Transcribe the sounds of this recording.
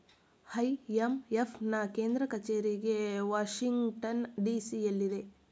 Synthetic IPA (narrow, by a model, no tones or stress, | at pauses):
hɐjemepʰnɐkeːnd̪ɾɐkɐt͡ʃeːɾiɡeʋaːʃiŋɡʈɐnɖiːsiɐlːid̪e̞